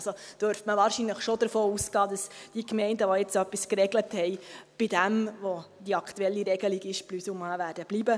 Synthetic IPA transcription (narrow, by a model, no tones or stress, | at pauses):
sod̥øɾftməʋɑːɾʃinləχʃod̥əɾfoːusɡ̥ɑːd̥ɑsd̥iəkmɛɪndəʋojɛt͡sœpːiskɾɛɡləthɛɪb̥ɪdæmʋod̥iɑkʰtuɛlːiɾɛɡəliɡɪʃplysuməʋæːɾdəb̥libə